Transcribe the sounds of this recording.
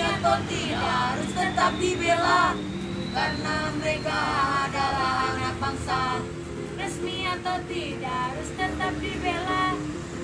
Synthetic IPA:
at̪at̪idaaɾʊst̪ət̪ap̚dibela | karnaməɾekaaːdalaaŋabaŋsa | rəsmiat̪awt̪idaaɾʊst̪ət̪ap̚dibela

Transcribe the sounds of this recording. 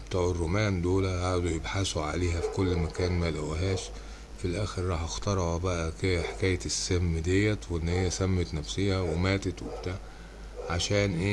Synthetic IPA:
bt̪ˤuːʕerˤːomæːnd̪oːlæʔaʕd̪ujebħasuʕa̰leːɦæfi̥kolːmækæːnmælæwɦæːʃ | filʔæːxeɾɾˤɑːħʔɑxt̪ˤɑɾˤɑʕbæʔækeħe̥kæːjet̪sːæhmːd̪ejːæweʔɪnːhejːæsæmːet̪næfsiːhæwemæːt̪et̪wɪbt̪æ | ʕaʃæːnʔeː

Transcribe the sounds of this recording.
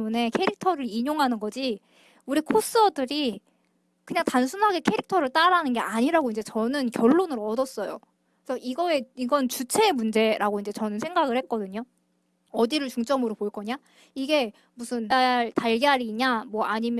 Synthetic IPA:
mune̞kʰe̞ɾik̚tʰʌɾɯɾiɲoŋɦanɯnɡʌd͡ʑi | uɾikʰos͈ʌdɯɾi | kɯɲaŋtansʰunɦaɡe̞kʰe̞ɾik̚tʰʌɾɯɭt͈aɾanɯnɡe̞ʔaɲiɾaɡoind͡ʑe̞t͡ɕʌnɯnkjʌɭːonɯɾʌdʌs͈ʌjo̰ | esʰʌʔiɡʌe̞iɡʌnt͡ɕut͡ɕʰe̞ːmund͡ʑe̞ɾʔaɡoind͡ʑe̞t͡ɕʌnɯnsʰe̞ŋɡaɡɯɭhek̚k͈ʌdɯɲo | ʌdiɾɯɭt͡ɕuŋt͡ɕ͈ʌmɯɾopoɭk͈ʌɲa | iɡe̞ | musʰɯnaɭtaɭɡeɦaɾiɲamwʌaɲimj

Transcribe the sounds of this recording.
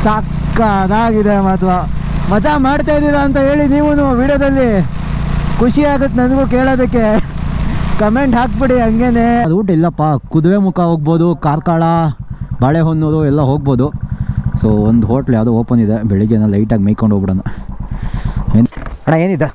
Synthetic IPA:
saːk | ɐd̪aːɡid̪emaːt̪ʋa | mɐd͡ʒamaːɖt̪aːjd̪iɾaːnt̪̬ɐɦe̞ːɭiniːʋunuʋiːɽjɐd̪ɐlːi | kʰuʂiaːɡut̪ːenɐnɡuːke̞ːɭoːd̪ɐkːe̞ | kɐme̞ɳʈɦaːk̚biɽiɦɐŋɡene̞ɐd̪uuʈilːɐpːakud̪ʋemukʰɐɦoːɡ̚boːd̪ukaːɾkaːɭɐbɐːɭeɦonːoːɾuɛlːɐɦoːɡ̚bo̞ːd̪usoːond̪uɦoːʈɐljaːwd̪ooːpɐnd̪id̪ebɛɭiɡenɐlɐjʈaːɡimejkoɳɖoːɡbiɽɐnːɐ | eːnɐɳaeːnid̪ːe

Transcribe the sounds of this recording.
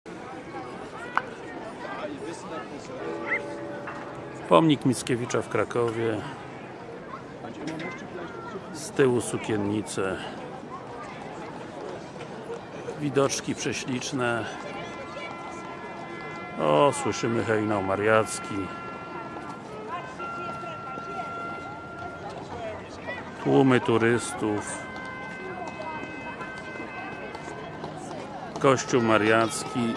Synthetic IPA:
pɔmɲikmʲit̪skʲevʲit͡ʂafkɾakɔvʲjɛ | st̪ɘwusukʲɛnɲit̪sɛ | vʲid̪ɔt͡ʂkʲipʂɛɕlʲit͡ʂnɛ | ɔswɘʂɘmɘxɛjnɔwmaɾjat̪skʲi | t̪wumɘt̪uɾɘst̪uf | kɔɕt͡ɕuwmaɾjat̪skʲi

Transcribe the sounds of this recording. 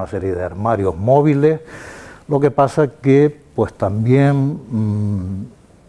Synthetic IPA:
nase̞ɾjeðeaɾmaɾjo̞hmo̞βileslo̞ke̞pasakepwest̪ambjen

